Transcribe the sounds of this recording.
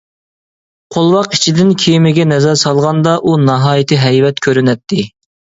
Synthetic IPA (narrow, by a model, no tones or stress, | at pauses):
qʰolˠwɑqi̥t͡ʃʰid̪ɪnkʲʰijmɪɡʲɛnɛzɛɾsɑlˠʁɑnd̪ɑʔunɑɦɑːjɪt̪ʰɨɦɛjvɛt̪kʲʰøɾynɛt̪ʰːɪ